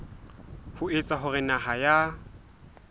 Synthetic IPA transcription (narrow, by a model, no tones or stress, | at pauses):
hʊet͡sʼaɦʊrɪnaɦaja